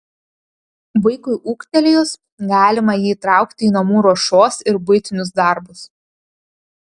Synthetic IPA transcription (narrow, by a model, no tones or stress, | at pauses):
ʋɐɪkʊɪʔuːkt̪ʲɛlʲejʊs | ɡɑːlʲɪmɐjiːt̪ɾɑˑʊkt̪ʲɪiːnɐmuːɾoʃoːsɪɾbʊɪt̪ʲɪnʲʊs̬d̪ɑˑɾbʊs